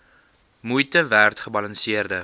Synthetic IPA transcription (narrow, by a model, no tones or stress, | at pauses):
mujtəværtχəbɐlɐnsiərdə